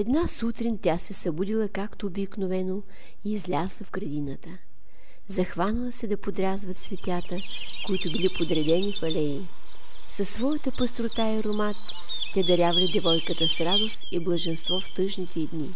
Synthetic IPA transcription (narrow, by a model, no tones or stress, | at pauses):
ɛd̪nasut̪ɾint̪ʲasɛsɐbud̪ilˠəkakt̪oːbiknovɛno | iːzlʲazɐfɡɾɐd̪inət̪ə | zɐxvanəlˠəsɛd̪ɐpod̪ɾʲazvət̪svɛt̪ʲjat̪əkoit̪ʊbilipod̪ɾɛd̪ɛnʲifɐlɛi | sɐsːvɔjət̪əpəst̪ɾot̪aiɾomat̪ː | ɛd̪ɐɾʲjavɐlʲid̪ɛvɔjkət̪əsɾad̪ost̪iblˠɐʒɛnst̪vɔft̪ɤʒnit̪ʰɛd̪ni